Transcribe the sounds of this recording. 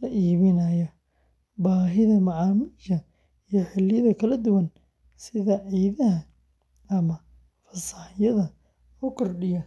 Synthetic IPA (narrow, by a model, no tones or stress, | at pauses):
lɐʔiːβɪnɐjɐ | baːɦɪðɐmɐʕɑːmiːʃɐ | ijɔħɪlɪjɐðɐkʰɐlɐd̪ʊwɐn | sɪðɐʕiːðɐɦɐ | ɐmɐ | fɐsɐħɪjɐðɐ | ɔkʰɔrɖɪjɐ